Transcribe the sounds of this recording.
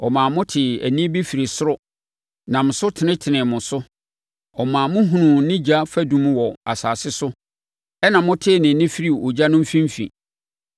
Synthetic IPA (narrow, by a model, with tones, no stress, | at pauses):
ɔ˨mãː˨mʊ̃˦tʰɪ˨æ̰˨nĩ˦bi˦fi˨ɾi˨sʊ˦ɾʊ˦ | nã˨mʊ̃˨sʊ˦tʰɪ˨nɪ̃˦tʰɪ˨nɪ̃˨mʊ̃˨sʊ˦ | ɔ˨mãː˨mʊ̃˦ɦũ˨nʊ̃˨˦nɪ̃˦d͡ʑa˦fæ˦dũ˨m̃˦wɔ˨a˨saː˨sɪ˦sʊ˦ | ɛ˦nã˨mʊ̃˦tʰɪ˦˨nɪ̃˨˦nɪ̃˦fi˦ɾi˦o˨d͡ʑa˦nʊ̃˦m̩˦fĩ˦m˦fḭ̃˨